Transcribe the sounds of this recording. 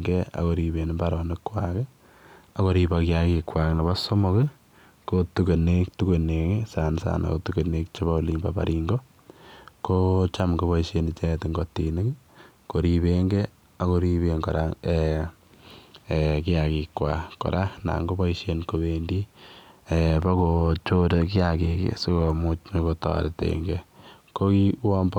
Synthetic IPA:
ŋɡe˦a̰˨ko˨ɾi˨be˨ni˦ba˦ɾɔ˨ne˦kːwake˦ | ako˦ɾi˦bakɪ˦jaki˧kwa˨kna˨ba˦so˦mokɪ | kotuke˨ne˦ktu˦ke˨ne˨ksa˨nsa̰na̰˨ko̰tuke˨ne˦k̚t͡ʃe˦βa˦o˨limba˨pa̰˨ɾʔiŋɡo˦ | ko˦t͡ʃa˦mɡo˦βɔ˦iʃe˦n˨t͡ʃɛ˦tɪ˨ŋɡo˨ti˨nɪ˦k | ko˨ɾiβeŋɡe˦ | a˦ko˦ɾi˦βeŋɡɔ˨ɾa̰˦e˨ | kɪ˦a˨ki˨kːwa˨kɔ̰˨ɾʔa˦na̰˨ŋɡo˦ba˦i˦ʃe˦nko˨be˨ndi˦epa˦kot͡ʃo˦do˨kɪ˦aki˨kḛso˦ko˨mu˦t͡ʃme˦kotɔ̰˨ɾe˨tḛŋɡe | ko˦ki˦wa˦mb

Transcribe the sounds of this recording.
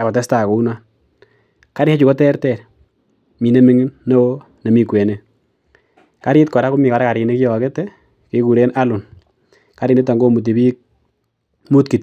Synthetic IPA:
a˨kɔ˨ta˦sta˨ko˨u˦na˦ | ka˦ɾɪ˦ha˦t͡ʃu˨kɔ˦tɛ˦ɾtɛ˨ɾ | mi˨ne˦mi˦ŋ˦nːo˦wo˦ | ne˨mi˨kwe˨ne˦ | ka˦ɾi˦t̚kɔ˨ɾa˦ku˦mi˨ka˨ɾa˦ka˨ɾi˨ne˦kjɔ˨kɛ˦tɛ˦ | ke˦ku˨ɾe˦na˦lu˨n | ka˨ɾi˨ne˦t̬a˨ŋɡo˦mu˨t̬i˨bi˦k̚ | mu˦tki˨t

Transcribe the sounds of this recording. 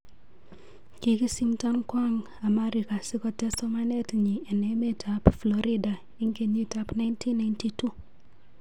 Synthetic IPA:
ki˨ki˦simta˦nkwaŋ | a˨ma˦ɾika˨sɪ˦kɔtɛsɔmane˦tɲi˨ɛ˨nɛme˦tʰapflɔɾi˦da˨ | i˦ŋke˨ɲi˦tapna˦jntʰi˦nːa˨jntitu˦

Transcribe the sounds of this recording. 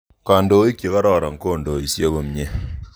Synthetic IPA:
ka˨ndo˨˦i˦kje˨ka˦ɾɔ˦˨ɾa˨ŋ̩˦ko˦˨ndo˨i˨sje˦ko˨mɲe˦

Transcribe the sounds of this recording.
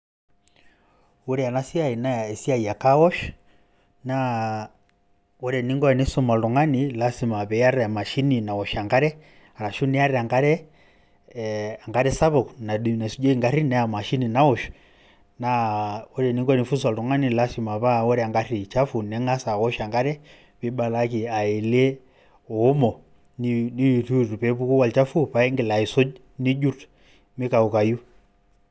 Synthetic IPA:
u˦ɾɛa˨na˦si˦a˨i˨na˦˨ɛ˨si˦a˦i˨a˨ka˦wɔ˦ʃ | na | ɔ˦ɾɛ˨ni˦ŋɡɔ˦ɛ˨ni˦sɔ˦ma˨lɔ˨ŋa˦ni˨lasi˨ma˨βɛ˨a˦ɾɛa˨ma˨ʃi˦ni˨na˨wɔ˨ʃa˨ŋɡa˦ɾɛ˦ | a˨ɾa˨ʃu˦nɛa˦ɾɛa˨ŋɡa˦ɾɛ˦ | a˨ŋɡa˦ɾɛ˦sa˦βɔ˨kna˨du˨na˨su˦d͡ʒɔ˦i˦ŋɡa˦ɾi˦nɛ˦a˨ma˨ʃi˦ni˨na˦ɔ˨ʃ | na˦ɔ˦ɾɛ˨ni˦ŋɡɔ˦ni˨fu˦s̬a˨ltɔ˨ŋa˦ni˦˨la˦si˨ma˨βa˦ɔ˦ɾɛa˨ŋɡa˦ri˨t͡ʃa˦fu˨nɛ˦ŋa˦sa˨ɣɔ˦ʃa˨ŋɡa˦ɾɛ˦ | βi˦ba˨laki˨a˨ɛ˨lɛ˦ | ɔː˨˦mɔ˨ | nini˦˨tu˦tu˨pɛ˨˦pu˦ku˦wa˨lt͡ʃa˦fu˦pa˨˦ɛ˦ŋɡɛ˨la˨i˨sɔ˦ | ni˦d͡ʒu˦tu | mi˦ka˨u˨ka˨ju˦

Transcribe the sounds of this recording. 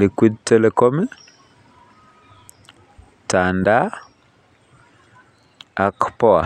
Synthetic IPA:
likwi˦d̚tɛlɛkɔm˦ | tanda˦ | akpɔ˦a̰˨

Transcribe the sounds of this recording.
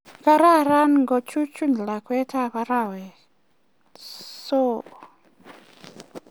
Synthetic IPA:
ka˦ɾa˦˨ɾa˦nŋɡɔ˨t͡ʃu˦t͡ʃu˦n˨la˨kwɛ˦tʰa˦βa˦ɾa˦˨wɛ˨ | so˦˨

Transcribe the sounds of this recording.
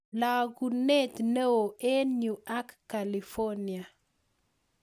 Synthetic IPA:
la˨ɡu˨nɛ˦t̪ne˦wo˨e˦nu˨a˦kːa˨li˨fɔ˦ni˨a˨

